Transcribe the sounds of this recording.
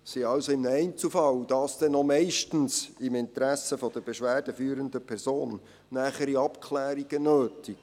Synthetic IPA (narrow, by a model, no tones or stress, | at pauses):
siɑwsoɪmnɛɪnt͡sl̩fɑlwd̥ɑːsd̪̥ɛnomɛɪʃtn̩sɪmɪntɾæsəfɔd̥̪əɾb̥eʃʋæːɾd̥əfyːɾənd̪əpʰɛɾzoːnː | æːχəɾiɑpkʰlæːɾiɡ̥ənøːtiɡ̥